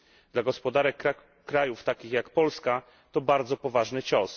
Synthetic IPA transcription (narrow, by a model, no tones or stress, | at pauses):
d̪laɡɔspɔd̪aɾɛk | kɾajuft̪akʲixjakpɔlska | t̪ɔbaɾd̪zɔpɔvaʐnɘt͡ɕɔs